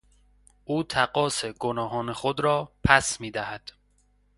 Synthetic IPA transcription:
ʔuːt̪ʰæɡɒːseɡonɒːɦɒːnexod̪ɾɒːpʰæsmiːd̪æhæd̪̥

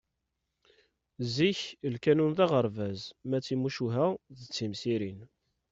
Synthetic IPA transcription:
ziçəlkænunðɑʁəɾˤvæzmæt͡sːimuʃuɦæðət͡sːimsiɾin

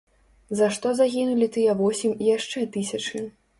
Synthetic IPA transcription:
zɐʂt̪ɔzaɣʲinulʲit̪ɨjɛvɔsʲimʲijaʂt͡ʂɛt̪ɨsʲɐt͡ʂɨ

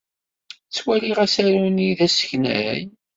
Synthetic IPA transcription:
t͡sːwæliʁæsæɾuniðæsə̥çnæ̰j

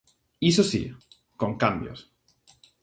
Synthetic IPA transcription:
isosḭ | koŋkambjo̰s

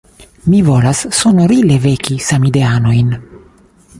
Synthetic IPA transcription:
mivo̞lasːo̞noɾile̞ve̞kisamide̞ano̞jn

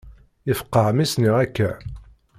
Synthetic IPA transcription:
ɪfə̥qːəʕmisniækːæ

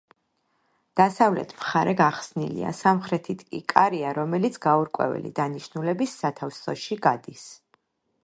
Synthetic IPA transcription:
d̪̥asavlɛ̰t̪ʰmχaɾɛɡaχsnilḭa̰samχɾɛt̪ʰit̪ʰkʼḭkʼaɾiaɾɔmɛlit̪sʰɡauɾkʼwɛ̰vɛ̰lḭd̪aniʃnulɛbisːat̪ʰafsɔʃiɡad̪is

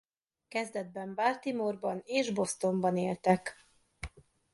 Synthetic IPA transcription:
kɛzd̪ɛd̪̚bɛmbart̪imorbɒneːʒbo̞st̪o̞mbɒneːlt̪ɛk

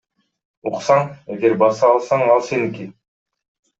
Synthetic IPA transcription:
uqsɑɴeɡeɾbɑsɑːlˠsɑɴɑlˠseniki

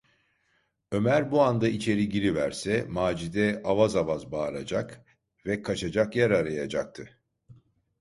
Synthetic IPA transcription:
ø̞mæɾbuand̪ait͡ʃʰe̞ɾiɟiɾivæɾsɛmaːd͡ʒid̪ɛavazavazbaːɾa̰d͡ʒak | vɛkʰat͡ʃʰad͡ʒakjæɾaɾajad͡ʒak̚t̪ʰɯ

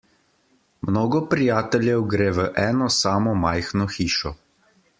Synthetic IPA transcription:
mnoːɡɔpɾijaːt̪ɛljɛwɡɾeːʋəʔɛːnɔsaːmɔmaːjxnɔxiːʃɔ

